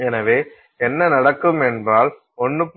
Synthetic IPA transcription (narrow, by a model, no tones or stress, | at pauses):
ɛnɐʋeː | ɛnːɐnɐɽɐkːɯmɛnbraːl | ɔnːɯp